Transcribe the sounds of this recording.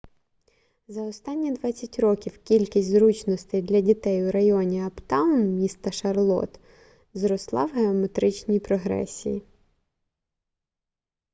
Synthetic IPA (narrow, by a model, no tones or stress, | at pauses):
zɐɔst̪ɑnʲːid̪ʋɑt͡sʲːɐtʲrɔkʲiwkʲilʲkʲisʲtʲzɾut͡ʃnɔst̪ejd̪lʲɐdʲit̪ɛjʊɾɐjɔnʲiɐpt̪ɑwʊnmʲist̪ɐʃɐrlˠɔ̰t̪ | zɾɔslˠɑwɦeɔmet̪ɾɪt͡ʃnʲijpɾɔɦɾɛ̰sʲḭji